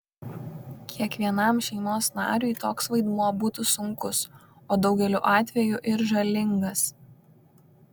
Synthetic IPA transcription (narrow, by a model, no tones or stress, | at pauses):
kʲʰiɛkʋʲiɛnɐˑmʃʲɛɪnoːsnɑ̰ːɾʲujt̪oːksʋɐɪd̪muɔbuːt̪ʊsʊŋkʊs | oːd̪ɒʊɡʲɛlʲuːʔɑːt̪ʲʋʲɛjuʔɪɾʒɐlʲɪŋɡɐs